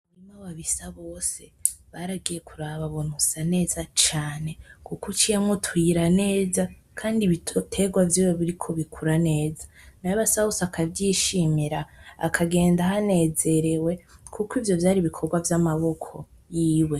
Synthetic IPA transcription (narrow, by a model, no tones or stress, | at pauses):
imawaβisaβo̞ːse̞βaɾaɡije̞kʰuɾaβaβonusane̞ːzat͡ʃaːne̞kukut͡ʃijemŋotwiɾane̞ːza | kʰaːndiβittʰe̞ɡwavjiːweβiɾikʰo̞βikʰuɾane̞ːzanajaβasahusakʰavjiːʃimiɾaa̰kʰaɡe̞ːndahane̞ːze̞ɾe̞we̞kʰukwivjo̞vjaːɾiβikʰo̞ɡwavjamaβo̞kʰo̞ | jiːwe̞